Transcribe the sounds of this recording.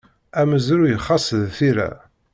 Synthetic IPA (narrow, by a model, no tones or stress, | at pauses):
æməzɾujəχːɑsəðθiɾæ̰